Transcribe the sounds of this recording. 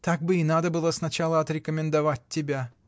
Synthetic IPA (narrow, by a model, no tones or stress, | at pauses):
t̪ak̚bɨinad̪əbɨlˠəsnɐt͡ɕalˠəɐt̪ɾʲɪkəmʲɪnd̪ɐvat̚ʲtʲːɪbʲæ